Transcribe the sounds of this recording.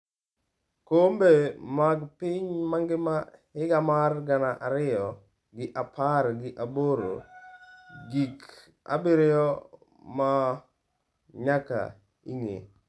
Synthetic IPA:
kombemaɡpɪɲmaŋɡɪmahɪɡamarɡanaʔaɾɪɔ | ɡɪʔapʰaɾɡɪʔaboɾo̰ | ɡik | a̰bɪɾɪjɔ | ma | ɲaka̰ | ḭŋḛ

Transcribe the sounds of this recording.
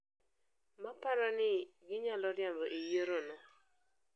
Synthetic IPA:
mapaɾɔnɪɡɪɲalɔɾjambɔʔijəɾonɔ

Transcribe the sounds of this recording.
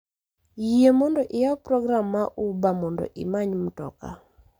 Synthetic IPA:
jiemɔndɔʔɪjaprɔɡramːaʔubamɔndɔ̰ʔɪ̰maɲm̩tɔ̰ka̰

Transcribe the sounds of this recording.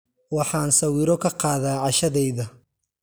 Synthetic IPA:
wɑħɑːnsɐwiːɾɔkʰɐqɑːðaːʕɑʃɐðɛjðɐ

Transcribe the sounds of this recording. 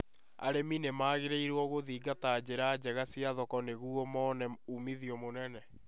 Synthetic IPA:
a̰ɾeminemaːɣeɾeiɾwɔɣoðiːɡataːd͡ʑeɾaːd͡ʑɛɣasijaðɔkɔneɣuɔmɔnɛumiðiɔmonɛnɛ

